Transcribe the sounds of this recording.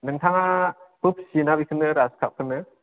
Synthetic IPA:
nɯŋtʰaŋapɯp̚sinabikʰɯnːɯɾaskʰap̚kʰɯnɯ

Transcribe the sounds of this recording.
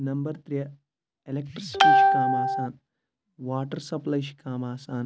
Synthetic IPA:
nɐmbɐɾt̪ɾjɐ | elekʈɾisi̥ʈiːʃi̥kaːmaːsaːn | ʋaːʈɐɾsɐplɐjʃi̥kaːmaːsaːn

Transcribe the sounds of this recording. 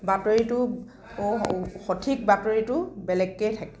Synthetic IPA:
batoɹitʊ | xɔtʰik̚batoɹitʊbɛlɛɡːejtʰakɛ̥

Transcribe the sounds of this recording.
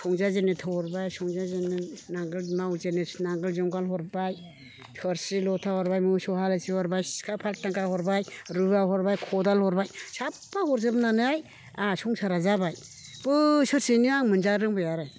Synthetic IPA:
sɔŋzazenetʰawhɔɾbajsɔŋzazeninaŋɡɯlmawzenenaŋɡɯlzɔmɡalɦɔɾbaj | tʰɯɾsilɔtʰahɔɾbajmɯsɔhalɯsihɔɾbajkʰapʰal̚taŋkahɔɾbajɾɯaɦɔɾbajkʰɔdalhɔɾbajsapːahɔɾzɯbnanɯaj | asɔŋsaɾazabaj | b̥ɯsɯɾsiniaŋmɯnzaɾɯŋbɯjaɾaj

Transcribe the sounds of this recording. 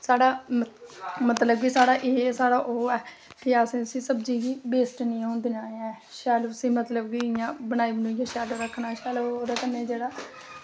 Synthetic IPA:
saːɽaː | mət̪ləbkiːsaːɽaːʔeːsaːɽaːʔoːɛː | kɪasĩːəsĩːsəbd͡ʒiːɡiːbeːsʈnĩːɦõːnd̪inaːeɛ̃ː | ʃɛːloəsĩːmət̪ləbkiɪjãːbənaːiːbənũːjãːʃɛːləɾəkʰːnaːʃɛːlooːd̪eːt̪ənẽːd͡ʒeːɽaː

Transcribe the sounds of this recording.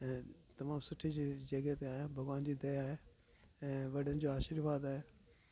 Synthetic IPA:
ɛ̃ːt̪ɐmaːmsʊʈʰid͡ʑid͡ʑɐɡət̪eaːɦjabʱɐɡʋaːnd͡ʑiːd̪ɐjaːɦe | ɛ̃ːʋɐɖ̤ənɪ̆d͡ʑoːaːʃiɾʋaːd̪aːɦe

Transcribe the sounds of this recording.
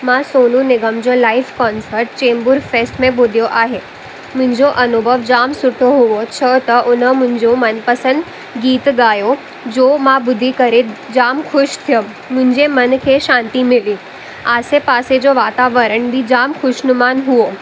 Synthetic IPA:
mãsoːnũnɪɡəmd͡ʑoːlaːɪfkɔːnsəɾʈt͡ɕẽːmbʊɾfeːsʈmẽbʊd̪ʱijoʔaːɦeː | mʊ̃ɦɪ̃ɲd͡ʑoʔɐnʊbʱəʋd͡ʑaːmsʊʈʰoɦuʋot͡ɕʰət̪ɐʔʊnəmʊ̃ɦɪ̃ɲd͡ʑomɐnpɐsə̃nd̪ | ɡiːt̪ɡaːjo | d͡ʑoːmãbʊd̪ʱːikɐɾed͡ʑaːmxʊʃt̪ʰijəmːʊ̃ɦɪ̃ɲd͡ʑemɐnkʰeːʃãːnt̪imɪlĩ | aːsepaːsed͡ʑoʋaːt̪aʋəɾəɽ̃bʱid͡ʑaːmxʊʃnʊmaːnɦuo

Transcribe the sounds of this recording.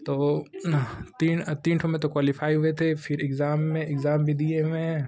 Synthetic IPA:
t̪oː | t̪iːnt̪iːnʈʰomẽt̪okwaːlifaːiɦʊet̪ʰefʰɪɾɪkzaːmːẽɪɡzaːmbʱid̪ieʋẽ

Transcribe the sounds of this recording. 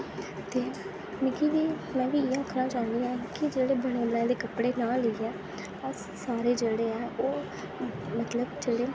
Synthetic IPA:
t̪eː | mɪɡiʋiː | mɛ̃ːʋiːeːãːkʰnaːt͡ʃaːnd̪iːɛːkɪd͡ʒeːɽeːbəɽ̃eːbəɽɛ̃ːd̪eːkəpɽeːnaːliːɛː | əs | saːɾeːd͡ʒeːɽeːɛːoː | mət̪ləbd͡ʒeːɽeː

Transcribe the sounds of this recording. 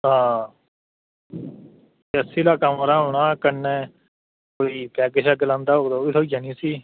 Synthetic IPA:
ɦãː | əsiːlaːkamːɾaːɦoːɽ̃aːkənẽː | koːiːkɛːkɪʃaːkəlãːnd̪aːɦoːkd̪oːiːt̪ʰoːid͡ʒaniːsiː

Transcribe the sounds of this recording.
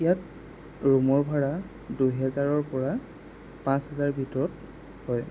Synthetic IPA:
ijat | ɹumɔɹbʱaɹa | dujɦɛzaɹɔɹpɔɹa | pãshɛzaɹbʱitɔɹɔt̚ | hɔj

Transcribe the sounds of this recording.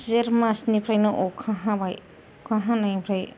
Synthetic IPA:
zeɾmasnipʰɾajnɯʔɔkʰaɦãbaj | kʰãɦãnajpʰɾaj

